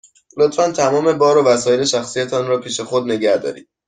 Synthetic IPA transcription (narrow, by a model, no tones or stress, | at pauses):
lot̪fænt̪ʰæmɒːme̞bɒːɾovæsɒːjele̞ʃæxsijt̪ʰɒnɾɒːpʰiːʃe̞xod̪ne̞ɟæhd̪ɒ̰ːɾḭːd̥̪